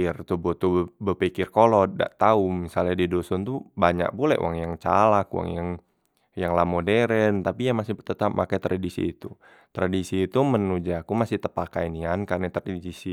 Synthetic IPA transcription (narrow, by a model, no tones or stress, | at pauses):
rt̪ubɔt̪ubəpikɪrkolɔt̪̚da̰ʔt̪aumisaladidɔsɔnt̪ubaɲa̰k̚pulɛ̰ʔṵʔa̰ŋjaŋt͡ʃa̰lakw̰a̰ŋjaŋ | jaŋlamodɛɾənt̪apijamasihpt̪ət̪ap̚makajt̪ɾʔadisḭːt̪u | t̪ɾadisiːt̪umənud͡ʒakumasiht̪əpakainiankarnit̪ɾaidisi